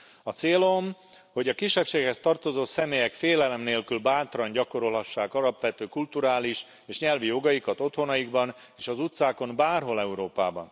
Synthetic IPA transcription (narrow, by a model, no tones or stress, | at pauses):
ɒt̪seːlo̞m | ho̞ɟɒkiʃːɛpʃeːkhɛst̪ɒrt̪o̞zoːsɛmeːjɛkfeːlɛlɛmneːlkylbaːt̪rɒɲɟɒko̞ɾo̞lɦɒʃːaːkɒlɒpʋɛt̪øːkult̪uɾaːliʃ | eːʃɲɛlvijo̞ɡɒjikɒt̪o̞t̪ho̞nɒjiɡbɒn | eːʃɒzut̪saːko̞mbaːrɦo̞lɛuɾoːpa̰ːbɒ̰n